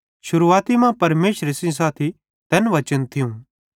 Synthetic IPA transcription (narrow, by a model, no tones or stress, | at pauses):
ʃʊɾuaːt̪imãpɐɾmeːʃɾesĩs̬aːt̪ʰi | t̪ɛːnʋɐt͡ʃənt̪ʰiũ